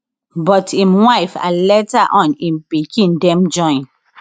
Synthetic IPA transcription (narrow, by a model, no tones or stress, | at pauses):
bɔtĩmwaɪfa̰lɛtaʔɔ̃nĩnpikĩndɛ̃md͡ʒɔ̃ɪ̃n